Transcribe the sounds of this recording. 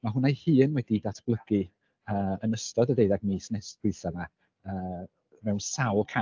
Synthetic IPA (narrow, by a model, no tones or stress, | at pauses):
maɦʊnajhɨːnwɛdidatʰb̥lˠəɡ̥ɨ | əːənəstɔdədejðaɡmiːsnɛswɨθama | əː | mɛwnsawˠkʰa